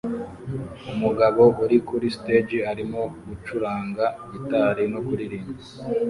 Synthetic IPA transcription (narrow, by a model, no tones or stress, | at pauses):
umuɡaβo̞ʔuɾikuɾisi̥teːd͡ʒiaɾimoɡut͡ʃuɾaːŋɡaitaːɾino̞kuɾiɾiːmbi